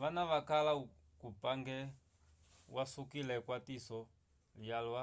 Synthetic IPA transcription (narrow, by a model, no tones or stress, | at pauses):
ʋanaβakala | kupaŋɡɛ | wasukilɛkwatisɔ | ijalwa